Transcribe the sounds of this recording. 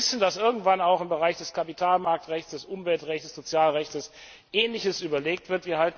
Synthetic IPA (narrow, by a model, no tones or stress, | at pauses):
sn̩d̥asʔɪɐɡŋ̩tv̥anaʊxɪmbəʁaɪçd̥ɛskʰapitʰaːlmaɐk̚tʁɛçtsd̥ɛsʔʊmvɛltʁɛçtə̥sz̥ot͡sjaːlʁɛçtəs | ʔɛːnlɪçəsʔyːbɐleːk̚tv̥ɪɐtv̥iːɐɦalt